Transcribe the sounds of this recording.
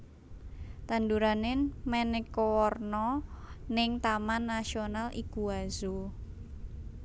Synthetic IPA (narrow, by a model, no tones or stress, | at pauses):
t̪and̪uɾanɪnmɛnekowɔrnɔnɪŋt̪amanːasionalʔikuazu